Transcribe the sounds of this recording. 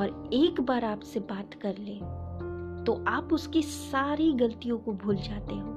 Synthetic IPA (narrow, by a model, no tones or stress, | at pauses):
ɔːɾeːkbaːɾaːpsebaːt̪kɐɾlẽː | t̪oʔaːpʊskisaːɾiɡɐlt̪ijõkobʱuːld͡ʒaːt̪eɦɛ̃